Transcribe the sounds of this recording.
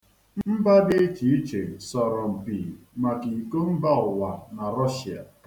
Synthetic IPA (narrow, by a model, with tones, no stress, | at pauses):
m̩˦m̩˦ba˦dɪ˦e˦t͡ʃi˨i˦t͡ʃe˨sɔ˨ɾɔ˨m̩˨pi˨ | ma˨ki˨i˨ko˦m̩˦ba˦ʊ˨wa˨na˨ɾɔ˦ʃi˨a̰˨